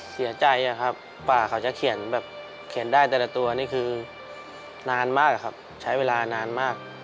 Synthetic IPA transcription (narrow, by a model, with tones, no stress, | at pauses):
si˨˩˦ɐt͡ɕa˧ja˧˩kʰa˦˥p̚ | faː˨˩kʰa˨˦wt͡ɕa˨˩kʰi˨˩˦ənbɛː˨˩p̚ | kʰi˨˩˦ndaː˥˩jt̪ɛː˨˩lɛː˨˩t̪u˧ɐ˧niː˥˩kʰɯː˧ | naː˧nmaː˥˩k̚a˨˩kʰa˦˥p̚ | t͡ɕʰa˦˥jweː˧laː˧naː˧nmaː˥˩k̚